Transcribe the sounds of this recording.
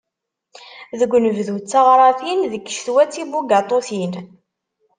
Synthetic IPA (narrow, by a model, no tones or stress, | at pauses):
ðəɡʷnəvðut͡sːɑʁɾˤɑθinðəkːʃθwæt͡sːibuɡat̪ˤoθin